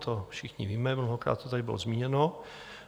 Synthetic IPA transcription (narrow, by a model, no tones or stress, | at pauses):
t̪ʰofʃɪxɲɪ̰viːmɛmnoɦokɾa̰ːt̪̚t̪ːot̪adɪbɪ̰lozmiːɲɛno